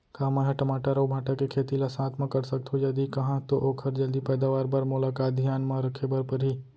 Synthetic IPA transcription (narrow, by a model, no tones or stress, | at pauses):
kamãɦɛ̃ʈɐmaːʈaɾɐwbʱaːʈakekʰeːt̪ilasãːt̪mãkɐɾsɐk̚t̪ʰɦod͡ʒɐd̪ikɐɦãt̪oʔoːkʰɐɾd͡ʒɐld̪ipɛːd̪aːʋaːɾbɐɾmʊlaːkaːt̪̚d̪ʱjaːnmãɾɐkʰebɐɾpɐɾɦi